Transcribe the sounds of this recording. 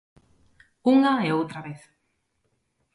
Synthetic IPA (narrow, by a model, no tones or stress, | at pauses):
uŋaeowt̪ɾaβeθ